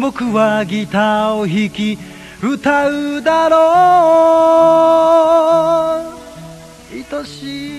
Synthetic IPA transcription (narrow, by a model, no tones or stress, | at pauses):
mokɯ̟βaɡʲit̪aoçikʲi | ɯ̟t̪aɯd̪aɾo | it̪oɕi